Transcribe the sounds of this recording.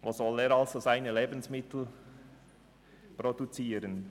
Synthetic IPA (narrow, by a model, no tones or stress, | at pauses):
ʋoːsɔleːɾɑlz̥ozaɪnəleːbən̩smɪt̪l̩ | produt͡siːɾən